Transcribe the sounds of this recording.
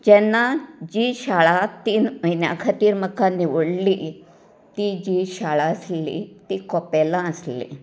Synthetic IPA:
d͡ʑɛnːad͡ʑiɕaɭat̪iːnməjnja̰kʰat̪iːɾməkaniʋəɽli | t̪id͡ʑiɕaɭaəslḭt̪ikɔpɛlãəslḭ

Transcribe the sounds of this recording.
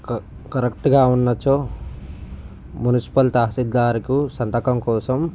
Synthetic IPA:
kɐɾekʈɡaːunːɐt͡ʃːoː | munisi̥pɐlt̪aːɦɐsid̪ːaːɾikusɐnt̪ɐkɐmkɔːsɐm

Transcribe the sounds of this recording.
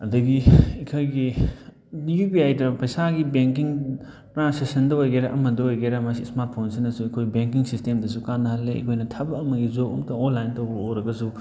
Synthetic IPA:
ɐdɐɡiikʰojɡi | jupiajdɐpɐjsaɡibeŋk̬iŋ | tɾansesɐndɐojɡeɾɐʔɐmɐdɐojɡeɾɐmɐsismaɾt̚pʰonsinɐsuɐkʰojbeŋkiŋsistemdɐsukanːɐhɐlːeɐ̰kʰojnɐtʰɐbɐɐmɐɡizoumtɐonlajntowbɐoɾɐɡɐsu

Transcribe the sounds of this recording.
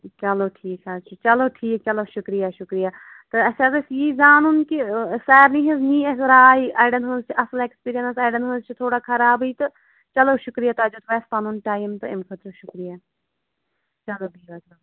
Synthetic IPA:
t͡ʃɐloːʈʰiːkɦɐɾt͡ʃit͡ʃɐloːʈʰiːk̚t͡ʃɐloːʃʊkɾijaːʃʊkɾijaː | t̪ɨɐsɐɾɪsjiːzaːnʊnkisɛːɾnĩːɦɪznĩːesɾaːiʔaːɪɖənɦuzt͡ʃʰɐsəleːkspiːɾiə̃nsaːɪɖənɦʊnzt͡ʃʰt̪ʰoːɽaːkʰəɾaːbiːt̪ɨ | t͡ʃɐloːʃʊkɾijaːt̪aːd͡ʒoːt̪ʋɛːspanunʈaːjmt̪ɨɪmkʰət̪ɾəʃʊkɾijaː | t͡ʃɐloːbiːʋɐd͡ʒoː

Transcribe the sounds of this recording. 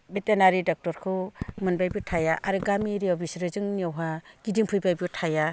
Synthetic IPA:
betenaɾidɔk̚tɔɾkʰɯmɯnbajbitʰajaʔaɾɯɡamiɾiɔbisɾɯzɯŋniɔwɦaɡ̥idiŋpʰujbajbutʰaja

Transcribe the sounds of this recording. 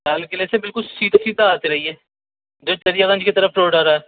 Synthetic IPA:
saːlkɪlesebɪlkʊlsiːt̪asiːd̪aaːt̪iɾɐɦiɦɛː | d͡ʒoːt͡ʃ̪ɐɾijaɣɐ̃nd͡ʒkit̪ɐɾəfʈɾoːɖaːɾaɦɛː

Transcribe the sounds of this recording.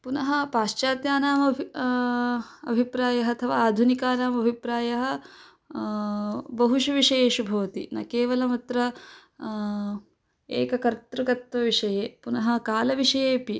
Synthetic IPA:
punɐɦɐ̆paːʃt͡ʃaːt̪jaːnaːmɐbʱ | ɐ̰bʱipɾaːjɐɦɐɐt̪ʰɐʋaːaːd̪ʱunikaːnaːmɐbʱipɾaːjɐɦɐ̆ | bɐɦuʃɐʋiʂɐjeːʃubʱɐʋɐt̪ina̰ːkeːʋɐlɐmɐt̪ɾɐ | ḛːkɐkɐɾt̪ɾɐɡɐt̪ʋɐʋiʂɐjeːpunɐɦɐ̆kaːlɐʋiʂɐjeːpi

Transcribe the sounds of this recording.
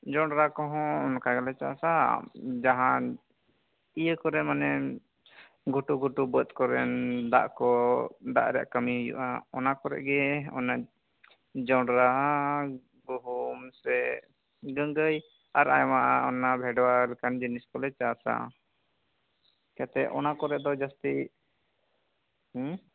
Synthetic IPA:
d͡ʒɔɳɖɾakɔɦɔ̃ɔnkaɡalɛt͡ʃa̰sad͡ʒaɦã | ijəkɔɾɛmanɛ | ɡʱuʈuɡʱuʈubət̪̚kɔɾɛnd̪a̰ʔkɔd̪a̰ʔɾɛa̰ʔkəmiɦujṵʔa̰ɔnakɔɾɛ̰ʔɡɛɔ̰na | d͡ʒɔɖɾa | ɡuɦumsɛ | ɡəŋɡəj | aɾa̰jɔmaʔaɔnabʱɛɖwalɛkand͡ʒiniskɔlɛt͡ʃasa̰ | kɛt̪ɛʔʔɔ̰nakɔɾɛʔd̪ɔd͡ʒast̪i | h

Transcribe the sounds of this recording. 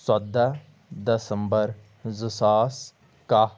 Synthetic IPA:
səd̪a | d̪əsəmbəɾ | zəsaːs | ka

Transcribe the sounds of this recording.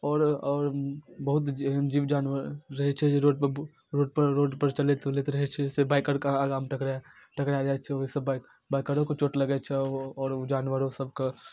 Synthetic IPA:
ɔːɾɔːɾbɐɦʊt̪d͡ʒd͡ʒiːʋd͡ʒaːnʋəɾːɐɦet͡ʃʰɛeɾoːɖp | ɾoːɖ̚pəɾɾoːɖpəɾt͡ʃɐlet̪let̪ɾɐɦet͡ʃʰɛsebaːɪkəɾkaːɣaːmʈɐkɽa | ʈɐkɽjad͡ʒaːet͡ʃʰɛseb | baːɪkəɾõkot͡ʃoːʈlɐɡet͡ʃʰɛɔːɾd͡ʒaːnwəɾõsɐbko

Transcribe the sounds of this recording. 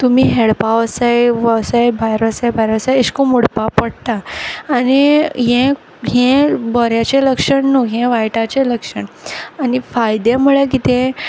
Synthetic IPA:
t̪umiːɦeɭpaʋəsajʋəsajbʱajɾəsajbʱajɾəsajiɕkumuɽpapəɽt̪aːniɦɛ̃ | ɦẽbəɾjat͡ɕẽləkʂəɳnuɦẽʋajʈat͡ɕẽləkʂəɳanifajd̪emuɭek̬it̪ẽ

